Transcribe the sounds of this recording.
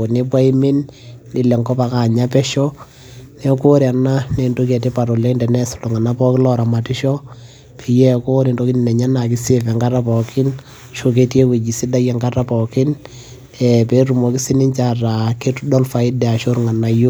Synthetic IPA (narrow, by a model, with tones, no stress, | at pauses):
o˨ni˦pwa˦i˦mi˦nːi˨lɛ˨ŋɡɔ˦pa˨ka˨ɲa˦pɛ˦ʃɔ˦ | nɛ˦ko˦ɾa˨na˦ne˨ndo˦kɛ˨t̬i˦pa˨ɾɔ˨le˦ndɛ˨nɛ˦su̥˨lo˨ŋa˨na˦pɔ˦kɪ˦lɔ˦ɾa˨ma˨ti˦ʃɔ˦ | pʰi˨jɛ˦ko˦ni˨ndo˦ki˦n˨nɛ˨ɲa˦na˨kɪ˦se˦fɛ˨ŋɡa˦ta˦pɔ˨kɪ˦n | ʃo˦k̬e˦tje˦kwe˨d͡ʒi˨si˦da˦jɛ˨ŋɡa˦ta˦pɔ˨kɪ˦n | ɛpe˨˦ɾu˨mɔ˨ki˦si˦ni˦ɲt͡ʃa˨ra˨ke˦tudɔ˦lfa˨ɪ˦dɛ˨a˨ʃo˦ɾŋa˨na˦jo˦